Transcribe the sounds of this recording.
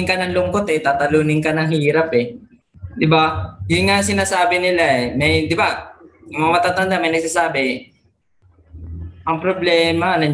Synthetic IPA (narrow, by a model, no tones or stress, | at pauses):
ŋkɐnɐŋlʊŋkot̪ɛt̪aːt̪ɐluːnɪŋkɐnɐŋhiːɾapɛ | d̪ɪbajʊŋasɪnaːsaːbɪnɪlaɛmɐjd̪ɪbajŋmɐŋamat̪at̪ɐnd̪amɐjnɐɡ̚saːsaːbɪ | ʔɐŋpɾoblɛːmɐnɐ